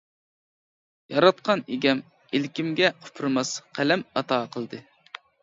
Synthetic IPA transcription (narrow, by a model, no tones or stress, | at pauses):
jɑɾɑt̪̚qɑneɡʲɛm | elkʲimɡʲɛqʰʊ̥pʰɾmɑsqʰælɛmɑt̪ʰɑːqʰəlˠd̪ɨ